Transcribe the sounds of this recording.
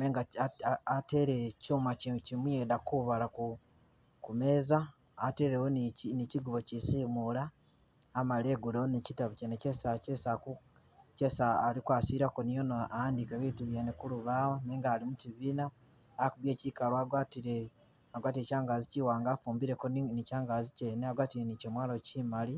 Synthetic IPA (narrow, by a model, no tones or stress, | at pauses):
neːŋɡaate̞ɾecuːmacicimwjedakuβalaku | kume̞ːzaː | te̞ːɾewonniciɡuβo̞cisiːmulaː | maleːɡuloonicitaβucnecesacesaku | cesaːlikwaːsiɾakonijonoaaːndikeβiːtuβjenekuluβawoneːŋɡaːlimuciβiːna | akuβje̞ːcikaloaɡwatiɾe | aɡwaːtiecaːŋɡaziciwaːŋɡaːfuːmbiɾe̞konicaːŋɡaziceneaɡwaːtiɾenicemwaːlociːmali